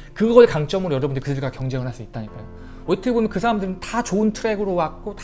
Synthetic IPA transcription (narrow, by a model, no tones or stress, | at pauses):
kɯɡʌɾekaŋt͡ɕ͈ʌmɯɾojʌɾʌbundɯɾikɯdɯɭɡakjʌŋd͡ʑeŋɯnɦas͈uit̚t͈aɲik͈ajo | ʌitʰɯɡbomjʌnkɯsʰaɾamdɯɾɯntat͡ɕoɯntʰɯɾe̞ɡɯɾowat̚k͈ot